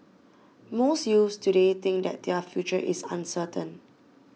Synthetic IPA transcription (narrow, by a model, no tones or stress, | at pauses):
mosjustuɾet̪ɪ̃ŋk̚dɛ̰t̚dɛfjut͡ʃəʔḭsã̰nsətə̃n